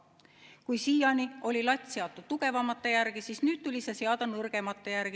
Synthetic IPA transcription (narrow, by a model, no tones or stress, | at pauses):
kujsiːjɑnio̞lʲilɑt̪ʲːˑse̞ɑt̪ːˑud̪̥̚t̪uɡ̥e̞vɑmɑt̪ːˑejærɡ̥isiːsnyːd̪̥̚t̪ulʲiseseɑd̪ɑnɤrɡ̥e̞mɑt̪ˑːejærɡ̥i